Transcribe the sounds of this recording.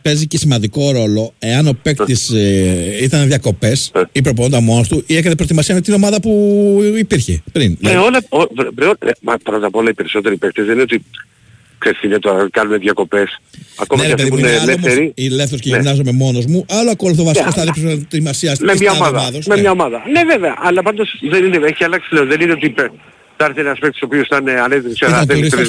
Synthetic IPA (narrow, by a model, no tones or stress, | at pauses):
pe̞zicesimɐnd̪iko̞ɾo̞lo̞e̞ɐno̞pekt̪is | it̪ɐneðʝɐko̞pe̞sipɾop̬oond̪ɐmo̞nost̪uʔiekɐnepɾo̞t̪imɐsiɐmet̪ino̞mɐðɐpuipiɾçe̞̰pɾinneolɐovvɾeomɐpɾot̪ɐpo̞lɐipe̞ɾiso̞t̪e̞ɾipek̚t̪ezðenineo̞t̪i | kseθinet̪oɾkɐnuneðʝɐko̞pesɐ̰konɐðɛafpeðiiunelefmθeɾiilefθeɾos̬ceʝnimnɐzo̞me̞mo̞no̞zmuɐloɐkolɐθovɐsikost̪ɐðipsst̪imɐsiɐsmemɲɐomɐðɐðosmemɲɐomɐðɐneveveɐʔɐlɐpɐnd̪osðenineeçielɐksi̥leoðenineot̪ipe | t̪ɐɾθeneɐspeksiso̞piosθt̪ɐnɐnet̪t̪sɐðeoɾisɾi